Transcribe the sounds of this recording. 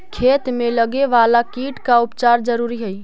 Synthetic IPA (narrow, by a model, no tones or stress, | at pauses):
kʰet̪meləɡeʋalakiʈkaupt͡ʃaɾd͡ʒəɾuɾiɦəj